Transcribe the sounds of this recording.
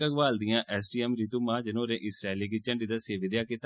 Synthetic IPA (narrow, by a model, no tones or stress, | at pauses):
əɡʋaːld̪ijãːʔɛːsʈiːɛːmɾit̪uːmãːd͡ʒənõːɾẽːʔɪsɾeːliːɡit͡ʃəɳɖiːd̪aːseːʋɪd̪jaːkɪt̪